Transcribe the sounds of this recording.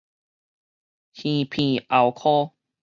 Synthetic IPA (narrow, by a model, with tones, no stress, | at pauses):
hĩ˧˨pʰĩ˧˨ʔa˨˩wkʰo˦